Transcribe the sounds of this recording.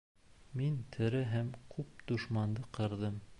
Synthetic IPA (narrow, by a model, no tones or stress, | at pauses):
mint̪ʰɘ̆ɾɘɦæmkʰʉp̚d̪uʃmɑnd̪ɤqɤ̆ɾðɤm